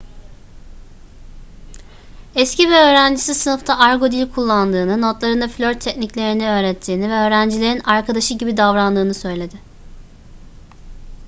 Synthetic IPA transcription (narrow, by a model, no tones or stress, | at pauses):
ɛscivɛø̞ːɾænd͡ʒisisɯnɯft̪ʰaʔaɾɡo̞d̪ilʲkʰulˠːand̪ɯːnɯno̞t̪lˠaɾɯnd̪aflʲø̞ɾt̪ʰːɛcniclʲe̞ɾiniø̞ːɾɛt̪ʰːiːnivɛø̞ːɾænd͡ʒilʲe̞ɾinaɾkʰad̪aʃɯɟibid̪avɾanld̪ɯːnɯsø̞jlʲe̞d̪ɪ